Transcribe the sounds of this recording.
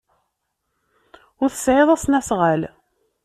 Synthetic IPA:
ʊɾθəsʕeðˤæsnæsʁəl

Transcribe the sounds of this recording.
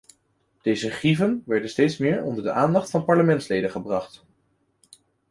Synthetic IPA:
d̥ejzəχrivənʋɛɹdənstejtsmɪːɹɔ̰ndəɹdəʔaːndɑχtfɑnpɑɹləmɛntslejdəχəbrɑχt

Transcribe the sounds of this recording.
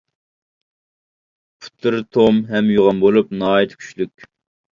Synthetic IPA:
pʰʊ̥t̪ʰːɨɾt̪ʰomɦɛmjoʁɑmbolˠupnɑːjit̪ʰkʲʰy̥t͡ʃlykʲ

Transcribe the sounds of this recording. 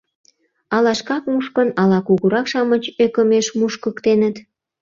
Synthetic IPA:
ɑlɑʃkɑkmuʃkənɑlɑkuɣuɾɑkʃɑmət͡ɕøkə̆meʃmuʃkəkt̪enət̪

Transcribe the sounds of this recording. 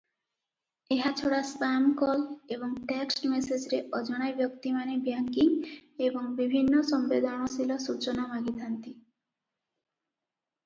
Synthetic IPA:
eɦat͡ɕʰoɽaspamkɔleboŋʈeksʈmesed͡ʑɾeʔɔd͡ʒɔɽ̃ajbjɔkt̪imanebaŋkiŋeboŋbibʱinːosɔmbed̪ʱɔɽ̃ɔsilɔsut͡ɕonamaɡit̪ʰant̪i

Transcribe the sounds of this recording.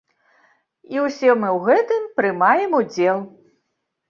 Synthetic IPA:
iwsʲɛmɨwɣɛt̪ɨmpɾɨmajɛmud͡zʲɛlˠ

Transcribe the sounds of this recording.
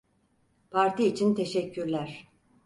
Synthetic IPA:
pʰaɾt̪ʰiːt͡ʃʰint̪ʰe̞ʃɛcʰːyɾlʲæɾ̥

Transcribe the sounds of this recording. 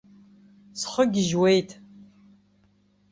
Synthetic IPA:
sχəɡʲɪʒwejtʰ

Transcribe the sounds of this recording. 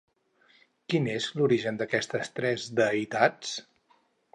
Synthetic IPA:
kinezluɾiʒənd̪əkɛst̪əst̪ɾɛzd̪əit̪at͡s

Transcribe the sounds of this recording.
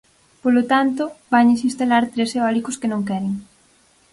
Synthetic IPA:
polot̪ant̪ʊbaɲes̬ĩnst̪alaɾt̪ɾeseɔlikʊskenõŋkɛɾeŋ

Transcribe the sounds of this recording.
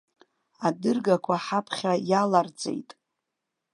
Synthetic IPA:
adɨrɡakʷʰaħapʰχʲajalard͡zʼḛjtʼ

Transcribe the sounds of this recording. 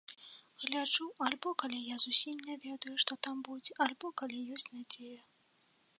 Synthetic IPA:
ɣlʲaʐualʲbɔkalʲijazusʲimnʲɛvʲɛd̪ɐjuʂt̪ɔt̪ambud͡zʲɛʔalʲbɔkalʲijɔsʲt͡sʲnad͡zʲejɐ

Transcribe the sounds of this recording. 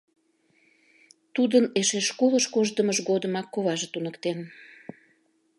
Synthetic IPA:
t̪ud̪əneʃeʃkoləʃkoʒd̪əməʒɣod̪əmɑkːoβɑʒət̪unəkt̪en

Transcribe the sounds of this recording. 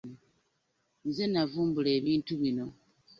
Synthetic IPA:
nzenavuːmbule̞ːβiːntuβino̞

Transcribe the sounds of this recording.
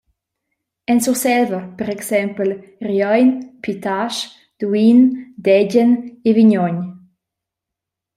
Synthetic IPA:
ɛnsusɛlvəpɛɾɛksɛmpəl | rjɔjnpʰit̪aʃ | d̪̥uind̪ɛɟəneviɲɔɲ

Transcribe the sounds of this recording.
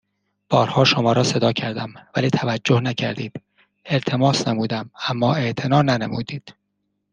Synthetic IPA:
b̥ɒːɾhɒːʃo̞mɒːɾɒːse̞d̪ɒːcʰæɾd̪æmvæliːt̪ʰævæd͡ʒːohnæcʰæ̰ɾd̪iːd̪̥ | e̞lt̪ʰe̞mɒːsnemuːd̪æmæmːɒːe̞ʔt̪ʰe̞nɒːnænemuːd̪iːd̪̥

